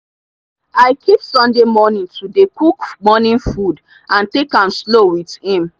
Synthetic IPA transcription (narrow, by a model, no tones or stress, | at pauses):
aɪkʰipsɔ̃ndemɔnĩntʰudekukmɔnĩnfud | ʔãntekãmslowið̥hĩm